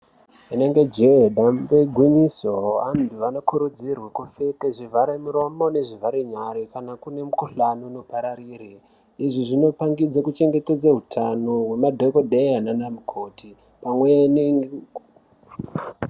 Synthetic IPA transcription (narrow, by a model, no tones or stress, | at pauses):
ineŋɡe̞d͡ʒeeɗambeɡʱwiɲisoanduʋano̞kuɾud͡zirwekufekeʐivaɾemuɾo̞mone̞ʐivaɾeɲaɾikanakune̞mukuɬanuno̞paɾariːre | iʐiʐino̞paŋɡid͡zakut͡ʃe̞ŋɡe̞te̞d͡zaɦutʰanoɦwe̞madʱokodʱejananamukʰoti | pamwejaniŋ